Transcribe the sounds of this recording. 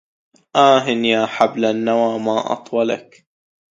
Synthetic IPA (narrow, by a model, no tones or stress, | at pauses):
ʔaːɦɪnjaːħablanːawaːmaːʔɑ̰t̪ˤwɑla̰k